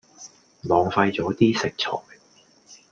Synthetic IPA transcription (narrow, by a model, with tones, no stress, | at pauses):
lɔː˨˧ŋfɐ˧jt͡sɔː˨˥t̪iː˥sɪ˨k̚t͡sʰɔ̰ː˨˩j